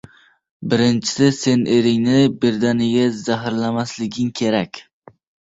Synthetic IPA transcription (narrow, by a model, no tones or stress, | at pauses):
bɪɾɪnt͡ʃʰɪ̥sɪse̞nʔeɾɪŋnɪbɪɾd̪anɪɡʲazaɦɪɾlamaslɪɡʲɪŋkʲʰe̞ɾakʲ